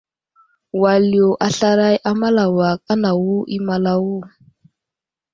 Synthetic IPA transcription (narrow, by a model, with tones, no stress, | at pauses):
wa˨ljo˨ʔa˨ɬa˦ɾa˦jʔa˦ma˦la˨wa˨k̚ʼa˦na˨wu˦ʔi˦ma˨la˦wu˦˨